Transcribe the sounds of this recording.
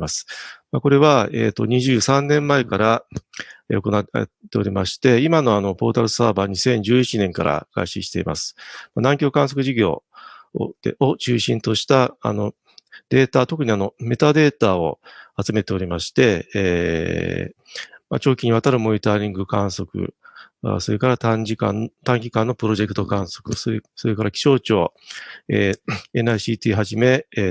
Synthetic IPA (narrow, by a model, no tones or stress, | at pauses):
asɨ̥mako̞ɾe̞βaḛːt̪ːo̞̰ɲ̟iʑɨːsãnnẽ̞mːae̞kaɾa | eo̞ko̞na̰t̪ːe̞o̞ɾʲimaɕi̥t̪e̞imano̞ano̞po̞ːt̪aɾɯ̟saːbaːɲ̟isẽ̞ɲ̟d͡ʑɨːit͡ɕinẽ̞ŋka̰ɾa̰ɡ̥a̰iɕiɕi̥t̪e̞̰ḭmʔa̰sɨ̥manãŋkʲo̞ːkãɰ̃s̬o̞kɯ̟ʑiɡʲo̞̰ː | eot͡ɕɨːɕĩnt̪o̞ɕi̥t̪aa̰no̞ | d̪̥e̞ːt̪at̪o̞kɯ̟ɲ̟iano̞me̞t̪ad̪e̞ːt̪ao̰at͡sɨme̞t̪e̞o̞ɾʲimaɕi̥t̪e̞ | ma̰t͡ɕo̞ːkʲiɲ̟iβat̪aɾɯ̟mo̞ɲ̟it̪aːɾʲĩŋɡɯ̟kãɰ̃so̞kɯ̟̰ | so̞ɾe̞kaɾat̪ad͡ʑikã̰nt̪ãŋɡʲikãnːo̞pɯ̟ɾoʑe̞kɯ̟t̪o̞kãɰ̃so̞̥kɯ̟sso̞ɾe̞kaɾakʲi̥ɕo̞ːt͡ɕo̞ːḛen̟aiɕiːt̪ʲiːɦaʑime̞